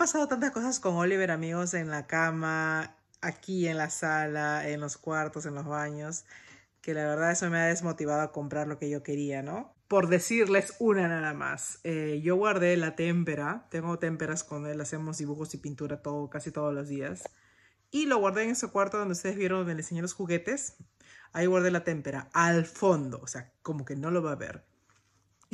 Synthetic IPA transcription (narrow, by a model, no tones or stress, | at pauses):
aapasað̞o̞t̪ant̪asko̞sasko̞ŋoliβe̞ɾamiɣo̞se̞nlakama | akie̞nlasalaenlo̞skwaɾt̪o̞se̞nlo̞zβaɲo̞s | ke̞laβe̞ɾðaðe̞someaðe̞zmo̞t̪iβ̞aðoako̞mpɾaɾlo̞ke̞ʝo̞ke̞ɾiano̞ | po̞ɾðe̞siɾle̞sunanaðama̰seʝo̞ɣwaɾðe̞lat̪empe̞ɾat̪e̞ŋɡo̞t̪e̞mpe̞ɾaskwand̪oelase̞mo̞zðiβuxo̞sipint̪uɾat̪oðokasit̪o̞ð̞olo̞zðias | ilo̞ɣwaɾðeeŋesokwaɾt̪oðnd̪eust̪eðezβjeɾonond̪elenseɲelosxuɣe̞t̪e̞s | aiɣwaɾðe̞lat̪e̞mpe̞ɾaalfo̞nd̪o̞̰ːse̞ako̞mo̞ke̞no̞lo̞βaβḛɾ